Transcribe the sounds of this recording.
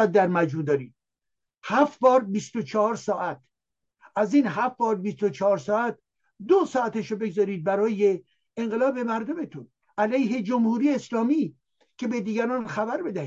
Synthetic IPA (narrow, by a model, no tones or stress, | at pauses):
æt̪̚d̪æɾmæd͡ʒmuːd̪ɒːɾiːd̪̥̚ | hæfbɒːɾbist̪ot͡ʃʰɒhɒːɾsɒːʔæt̪̚ʰ | æziːnɦæfbɒːɾbist̪ot͡ʃʰɒɒːɾsɒːæt̪̚ | d̪osɒːæt̪eʃobe̞ɡzɒːɾiːd̪̚bæɾɒːje̞ | eŋɢelɒːbe̞mæɾd̪ome̞t̪ʰun | ʔælæjɦed͡ʒomhuːɾiːjeːslɒːmiː | cʰe̞bed̪iːɡæɾɒːnxæbæɾbe̞d̪æhi